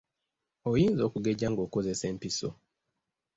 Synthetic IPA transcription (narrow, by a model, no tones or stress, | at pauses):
ojiːnzo̞ːkuɡe̞ɟaŋɡoːko̞ze̞se̞ːmpiso̰